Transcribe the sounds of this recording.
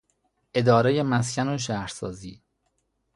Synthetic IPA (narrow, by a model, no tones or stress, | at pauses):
ʔe̞d̪ɒːɾejemæs̬cʰænoʃ̬æhɾsɒːziː